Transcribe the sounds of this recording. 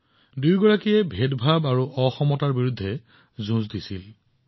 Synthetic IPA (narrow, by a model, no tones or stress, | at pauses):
dujɡɔɹakijɛbʱedbʱabaɹuʔɔxɔmɔtaɹbiɹudʱːɛ | zũzdisil